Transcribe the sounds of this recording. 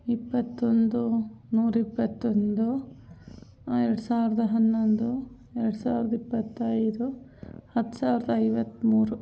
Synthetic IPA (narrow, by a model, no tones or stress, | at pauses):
ipːɐt̪ːond̪unuːɾipːɐt̪ːond̪u | ɛɾɐɽusaːʋiɾɐd̪ɐɦɐnːond̪u | ɛɾɐɽusaːʋiɾɐd̪ɐipːɐt̪ːɐjɾuhɐt̪ːu̥saːʋiɾɐd̪ɐɐjʋɐt̪ːmuːɾu